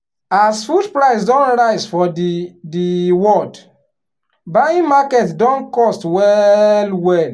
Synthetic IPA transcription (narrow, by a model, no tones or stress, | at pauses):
asfudpɹaɪs̬dɔ̃nɹaɪzfɔdidiwɔd | baĩmakɛtdɔ̃nkɔstwɛlwɛl